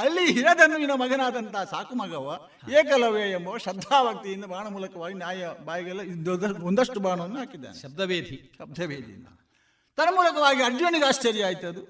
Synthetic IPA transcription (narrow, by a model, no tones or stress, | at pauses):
ɐlːiɦiɾɐd̪ɐnːuinɐmɐɡɐnaːd̪ɐnt̪ɐɦɐsaːkumɐɡɐʋɐ | eːkɐlɐʋjɐjɐmbɐʋɐʃɐd̪ʱaːbɐk̚t̪ijind̪ɐbʱaːɳɐmuːlɐkɐʋaːɡinjaːjɐbaːjɐɡɐlːɐind̪ɐond̪ɐʂʈubaːɳɐʋɐnːuɦaːkid̪ːa̰ːnɐb̚d̪ʱɐʋeːd̪ʱiʃɐb̚d̪ʱɐʋeːd̪ʱḭnd̪ɐ | t̪ɐnɐmuːlɐkɐʋaːɡiɐɾd͡ʒjuːniɡaːst͡ʃɐɾjɐaːjit̪ɐd̪u